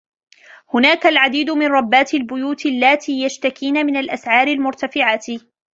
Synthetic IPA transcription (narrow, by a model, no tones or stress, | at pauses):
hʊnaːkalʕad̪iːd̪ʊmɪnɾˤɑbːaːt̪lbʊjuːt̪ɪlːaːt̪ijaʃt̪akiːnamɪnalʔasʕɑːɾɪlmʊɾt̪afɪʕaːt̪